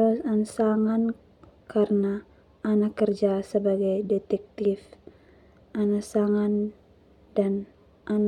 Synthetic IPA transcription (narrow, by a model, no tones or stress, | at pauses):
asansaŋan | kʰarənaː | nakːərd͡ʒasəbaɡajdɛt̪ɛk̚t̪if | ʔanasaŋan | dan | ʔan